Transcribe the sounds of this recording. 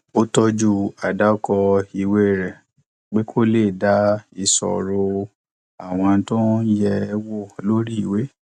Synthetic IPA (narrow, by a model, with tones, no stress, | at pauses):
o˦tɔ˧d͡ʒu˦˨a˨da˦kɔ˧i˧we˦˨ɾɛ˨ | k͡pe˦kʰo˦le˦˨da˦i˧˨sɔ̰˨ɾo˧ | a˨w̃ɔ̃˧˦tõ˦jɛ˧wo˦˨lo˦ɾi˦i˨we˦